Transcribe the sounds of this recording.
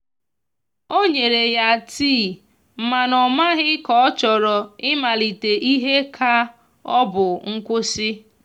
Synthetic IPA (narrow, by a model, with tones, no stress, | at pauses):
o˦ɲe˨ɾe˨ja˨tiː˦˨ | m̩˨ma˨nɔ˨ma˦ɦɪ˦kɔ˨ɔ˦t͡ʃɔ˨ɾɔ˨ɪ˦ma˨li˨te˨ʔi˦ɦe˦kʰa˦ | ɔ˦bʊ˨ŋ̩˦kʷʊ˦sɪ˦